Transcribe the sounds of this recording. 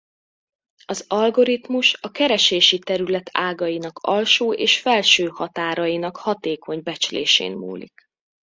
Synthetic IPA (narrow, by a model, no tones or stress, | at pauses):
ɒzɒlɡo̞ɾit̪muʃɒkɛɾɛʃeːʃit̪ɛɾylɛt̪ʰaːɡɒjinɒkʰɒlʃoːʔeːʃfɛlʃøːhɒt̪aːɾɒjinɒkhɒt̪eːkʰo̞ɲbɛt͡ʃlḛːʃḛːnmṵːlḭk